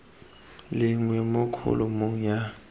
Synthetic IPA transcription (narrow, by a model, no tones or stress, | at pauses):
lɪŋwɛmʊkʰṵlumuŋa